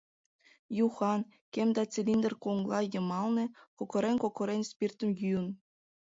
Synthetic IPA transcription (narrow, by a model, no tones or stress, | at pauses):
juχɑn | kʲemʲd̪ɑt͡sʲelʲind̪ɘ̆rʲkuŋɡlˠɑjɤ̆mɑlˠnɤ̆kokŏɾenʲkokʰŏɾʲenʲspʲirt̪ə̆mjyə̆n